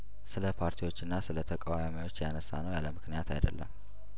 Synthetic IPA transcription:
sɨləpʰaɾt̪ʰiwo̞t͡ʃːɪnːasɨlət̪ʰəkʼawamiwo̞t͡ʃːjanəsːanəwjaləmɨknijat̪ʰa̰jd̪ə̰lːə̰m

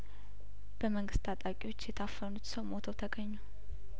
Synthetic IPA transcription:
b̥əməŋɡɨst̪ʼat̪ʼakʼiwo̞t͡ʃːjɛt̪ʰafːənut̪səwmot̪ʰəwt̪ʰəɡəɲːuw

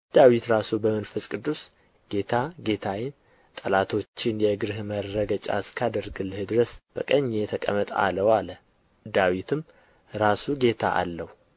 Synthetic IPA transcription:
d̪̥awit̪ɾasubəmənfɨsʼkʼɨd̪ːus | ɡ̥e̞t̪ʰaɡe̞t̪ʰawɪn | t̪ʼəlat̪ʰo̞t͡ʃːɪnjɛɡɨɾɨhmərːəɡət͡ʃʼa̰skʰad̪əɾɡɨlɨhɨd̪ɨɾəsb̥ə̰kʼəɲːet̪ʰəkʼə̰mət̪ʼa̰ləwalə | d̪awit̪ʰɨm | ɾasuɡe̞t̪ʰa̰ʔa̰lːəhu

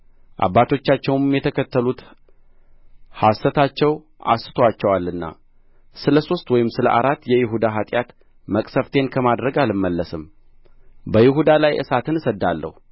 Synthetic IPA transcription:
ʔa̰bːat̪ʰo̞t͡ʃːat͡ʃːɛwmjɛt̪ʰəkʰət̪ːəlut̪ | hasət̪ʰat͡ʃːɛw | ʔa̰sɨ̥t̪ʰoat͡ʃːɛwalːɨnːa̰ | sɨləso̞st̪wɔjɪmsɨlə̰ʔaɾat̪ːjɛjɪɦud̪aɦat̪ʼjat̪ | məkʼsəft̪ʰe̞nkʰəmad̪ɾəɡalɨmːəlːəsɨm | bəjɪɦud̪alajʔɨ̰sat̪ʰɨnsəd̪ːalːə̰hu

